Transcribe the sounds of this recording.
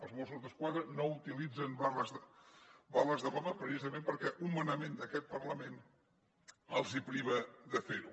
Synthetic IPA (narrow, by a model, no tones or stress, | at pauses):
əlˠzmosuzðəskwaðɾənout̪ilid͡zənbarəz | baləzðəβɔməpɾəsizəmẽmpəɾkɛʔumːənəmend̪əkɛt̪̚pərləmen | əlˠzipɾiβ̞əðəfeɾu